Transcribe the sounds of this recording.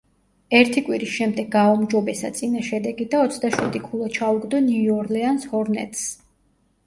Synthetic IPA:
ɛɾt̪ʰikʼwiɾisʃɛmd̪ɛɡaɔmd͡ʒɔbɛsa̰t̪sʼinaʃɛd̪ɛɡid̪aɔt̪sʰd̪aʃwid̪ikʰulˠɔt͡ʃʰauɡd̪ɔniɔɾlɛanshɔɾnɛ̰t̪ʰs

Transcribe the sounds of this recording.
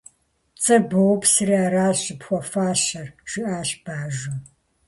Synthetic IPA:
t͡sʼɨbɐwʊpsɨriaːɾaːɕɪpxʷɔfaːɕɐrʒ̥ʷɪʔaːɕb̥aːʒʊm

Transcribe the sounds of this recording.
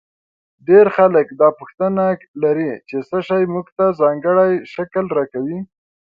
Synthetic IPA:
ɖeɾxaləkd̪ɑpʊxt̪əna | laɾit͡ʃesəʃɑjmuɡt̪azɑŋɡəɽajʃaklɾɑkawi

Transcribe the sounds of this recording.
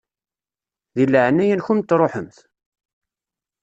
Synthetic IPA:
ðilːəʕənːæjənçʊmt̪ɾˤoħəmθ

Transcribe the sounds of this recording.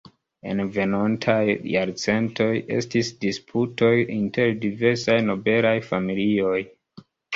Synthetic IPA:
e̞̰nve̞nontʰajːaɾt͡se̞nto̞je̞̰stisdispʰuto̞jinte̞ɾdive̞ɾsajno̞be̞lajfamilio̞j

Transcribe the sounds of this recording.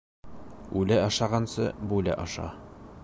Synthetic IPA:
ʉlæɑʃɑʁɑnsɤ̰bulæ̰ʔɑʃɑ̰

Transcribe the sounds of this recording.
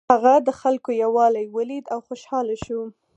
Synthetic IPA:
haɣad̪əxalkojawɑlajwəlid̪awxoʃhɑlaʃu

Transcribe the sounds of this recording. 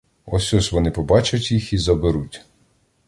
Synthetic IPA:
ɔsʲɔʃʋɔnɪpɔbɑt͡ʃɐtʲjixizɔbɪɾutʲ

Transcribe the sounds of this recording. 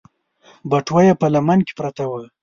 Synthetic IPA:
baʈwajapəlamanke̥pɾat̪awə

